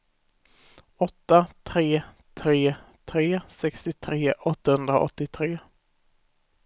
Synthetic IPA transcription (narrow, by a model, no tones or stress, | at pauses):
ɔt̪ːat̪ʰɾeː | t̪ʰɾeːt̪ʰɾeːsɛkst̪ɪt̪ʰɾeːʔɔt̪ːahɵnd̪ɾa̰ʔɔ̰t̪ːɪt̪ʰɾeː